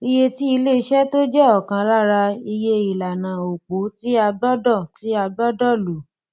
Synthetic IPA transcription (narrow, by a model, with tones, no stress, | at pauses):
i˧je˧ti˦i˧le˦˨˧ʃɛ˦to˦d͡ʒɛ˦ɔ˨kã˧ɾa˦ɾa˧i˧je˦i˨la˨nã˨o˨k͡po˨˦ti˦a˧ɡ͡bɔ˦dɔ˦˨ti˨˦a˧ɡ͡bɔ˦dɔ˦˨lu˨˦